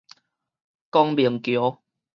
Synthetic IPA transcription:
kɔ˧ŋbi˨˩əŋkjo˨˦

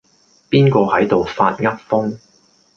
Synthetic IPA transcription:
piː˥nkɔː˧hɐ˨˥jt̪o˨wfa̰ː˧t̚ŋɐ˥t̚fʊ˥ŋ

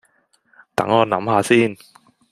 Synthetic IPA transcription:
t̪ɐ̰˨˥ŋɔː˨˧nɐ̰˨˥mhaː˧siː˥n

